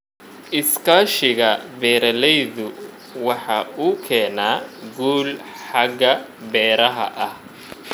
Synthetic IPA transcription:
ʔɪskʰaːʃɪɣɐbɛːɾɐlɛjðʊ | wɑħɑːuːkʰɛːnaːɡuːlħɑɡɐbɛːɾɐɦɐ̰ʔɐh

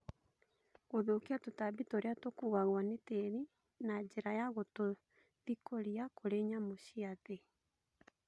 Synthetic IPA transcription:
ɣoðokeatotabitoɾeatokuːɣaɣwaneteɾi | nad͡ʑeɾajaɣoto | ðikoɾiakʰoɾeɲamoɕiaðe

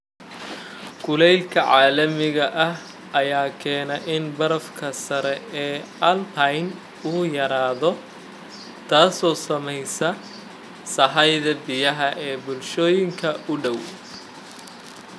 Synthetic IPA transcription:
ɡʰʊlɛjlkʰɐʕaːlɐmɪɣɐʔɐɦ | ɐjaːkʰɛːnɐʔɪnbɐɾɐfkʰɐsɐɾɛɛː | ɐlt̪ʰɐjn | ʊːjɐɾaːðɔ | t̪ʰaːsɔːsɐmɛjsɐ | sɐɦɐjðɐbɪjɐɦɐʔɛːbʊlʃɔːjɪŋkʰɐʔʊɖɔw

